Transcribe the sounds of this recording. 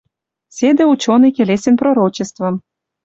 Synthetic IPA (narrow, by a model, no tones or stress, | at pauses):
sʲed̪eut͡ɕonɤjkʲelesʲenproɾot͡ɕest̪vɤ̆m